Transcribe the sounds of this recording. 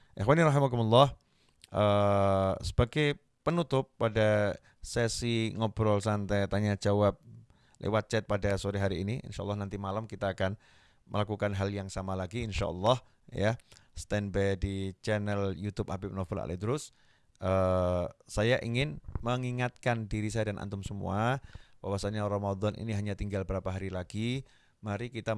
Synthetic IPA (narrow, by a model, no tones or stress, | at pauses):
ʔɛxwaniɾɑɦimakumɔlːɑh | ʔə | sə̥b̥aɡaj | pənut̪ʊpːada | sɛsiŋɔbɾɔlsant̪ɛt̪aɲad͡ʒawap̚ | lʔḛwat̪̚t͡ʃɛt̪̚padasoɾiɦaɾiːniʔɪ̰nʃaʔlːɑhnant̪imalamkit̪aːkan | mʔə̰lakukanɦaljaŋsamalaɡiɪnʃa̰ʔɔ̰lːɑh | jast̪ɛnbɛdit͡ʃɛnɛljut̪ʊp̚habɪp̚nɔfəla̰lɛ̰hd̪əɾʊs | ʔə | sajaʔiŋɪnməŋiŋat̪̚kandiɾisajadanʔa̰nt̪ʊmsəmṵab̥awasaɲaɾɔmad̪ɔnʔḭniɦaɲat̪iŋɡalbəɾapaɦaɾilaɡi | maɾikit̪a